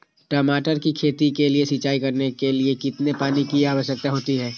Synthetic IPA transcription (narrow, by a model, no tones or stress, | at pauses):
ʈəmaːʈəɾkikʰeːt̪ikeliesit͡ʃaːikɐɾnekeliekɪt̪nepaːnikiaːʋəʃjək̚t̪aɦoːt̪iɦɛː